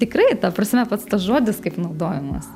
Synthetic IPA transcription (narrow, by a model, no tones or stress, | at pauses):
t̪ʲɪkɾɐɪt̪ɑprɐsʲɪmʲɛpɐt̪st̪ɐsʒoɔːd̪ʲɪskɐɪpnɐʊd̪oːjɛmɐ̰s